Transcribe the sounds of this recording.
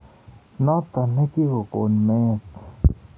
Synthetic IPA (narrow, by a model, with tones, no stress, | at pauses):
nã˦t̪a˨nẽ˦ki˦ɣo˨ko̰˨nmẽ˦˨t̪